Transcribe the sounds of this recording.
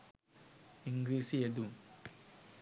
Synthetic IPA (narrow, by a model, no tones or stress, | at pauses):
ɪŋɡɾiːsied̪um